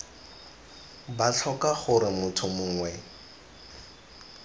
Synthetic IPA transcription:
bat͡ɬʰɔkaχʊɾɪmʊtʰʊmʊːŋwɛ

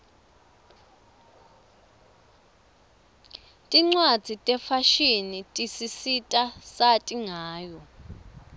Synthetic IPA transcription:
tʼiŋ͡ǀwad̥z̥ʱitʼɛfaʃinitʼisisitʼasatʼiŋaːjɔ

